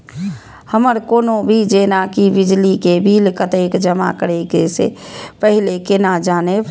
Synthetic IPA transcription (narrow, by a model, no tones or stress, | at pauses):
həməɾkoːnobʱid͡ʒeːnakibɪd͡ʒlikebʱilkət̪ekd͡ʒəma̰kəɾeɡesḛpəɦɪlekenad͡ʒaːne